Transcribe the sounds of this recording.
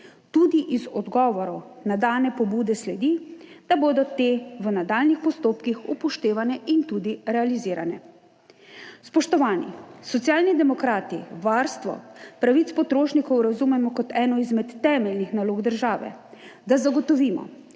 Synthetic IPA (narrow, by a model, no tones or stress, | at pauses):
t̪ud̪iʔizɔd̪ɡɔːʋɔɾɔnad̪aːnɛpɔbuːd̪ɛslɛd̪id̪̥aboːd̪ɔt̪eːʋənad̪aːlnixpɔst̪oːpkixupɔʃt̪eːʋanɛint̪ud̪iɾɛaliziːɾa̰nɛ | spɔʃt̪ɔʋaːnḭsɔt̪sijaːlnid̪ɛmɔkɾaːt̪iʋaːɾst̪ʋɔ̰pɾaʋit̪spɔt̪ɾoːʃnikɔwɾazumɛmɔkɔt̪ɛːnɔizmɛt̪ːɛːmɛlnixnaloːɡd̪əɾʒaːʋɛ̰d̪azaɡɔt̪ɔʋiːmɔ̰